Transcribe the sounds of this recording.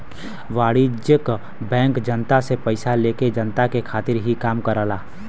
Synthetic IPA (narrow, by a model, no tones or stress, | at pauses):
ʋaːɽid͡ʒjək | bɛ̃ːŋkd͡ʒənt̪asepəɪsaleːked͡ʒənt̪akekʰaːt̪ɪɾɦikaːmkəɾəlaː